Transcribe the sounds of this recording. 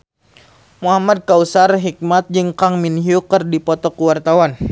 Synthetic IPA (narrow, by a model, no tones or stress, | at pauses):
muɦamad̚kausarɦik̚mat̪̚d͡ʒɨŋkaŋminɦiukərdipɔt̪ɔkəwart̪awan